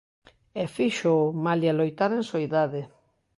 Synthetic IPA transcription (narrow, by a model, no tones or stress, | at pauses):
efiʃomaljalojt̪aɾeŋsoiðaðe